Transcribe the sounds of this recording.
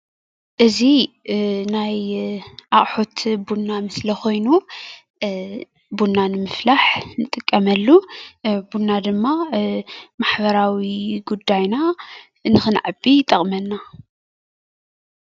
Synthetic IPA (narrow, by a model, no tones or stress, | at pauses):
ʔɨzi | najʔaχʼħot̪ʰbunːamɨslɐxo̞jnu | bunːanɨmɨflaħnɨt̪ʼɨkʼːɐmɐlːubunːad̪ɨmːa | maħbɐɾawiɡud̪ːajna | ɨnːɨxɨnʕabit̪ʼɐχʼmɐnːa